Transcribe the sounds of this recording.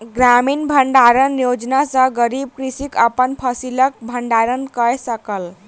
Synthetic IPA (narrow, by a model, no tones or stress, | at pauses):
ɡɾaminbʱəɳɖaɾənjod͡ʒnasə̃ɡəɾib̚kɾisikəpənpʰəsilək̚bʱəɳɖaɾənkəjsəkəl